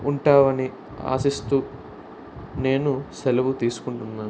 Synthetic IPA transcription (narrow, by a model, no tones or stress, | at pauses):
uɳʈaːʋɐni | a̰ːsist̪uː | ne̞ːnusɛlɐʋut̪iːsu̥kuɳʈunːaːn